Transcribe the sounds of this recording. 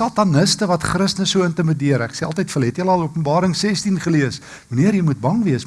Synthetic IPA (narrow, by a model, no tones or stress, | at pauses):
ɑːtɐnəstəvɐtχrəsnəsuəəntərmədiəɾækseːɑlˠtəjtfəlɦɛtjələɐlˠuəpənbɑːɾəŋsɛstinχəliəs | vəniərjəjmut̚bɐŋviəs